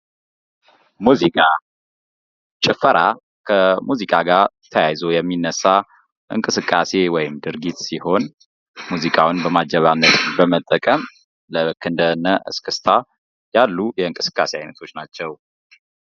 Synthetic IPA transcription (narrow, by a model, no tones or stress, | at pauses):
muzikʼa | t͡ʃʼɪfəɾʔa | kʰəmuzikʼaɡaɾt̪ʰəjajzo̞jɛmːinːəsːa | ʔɨ̰ŋkʼɨsɨkʼːase̞wɔjɪmd̪ɨɾɡit̪siho̞n | muzikʼawnbəmad͡ʒəβanːət̪bəmət̪ʼːəkʼəm | ləkʰːɨnd̪ənːəʔɨ̰skʰɨst̪ʰa | jalːujɛɨŋkʼɨsɨ̥kʼːaseajnət̪ʰo̞t͡ʃːnat͡ʃːɛw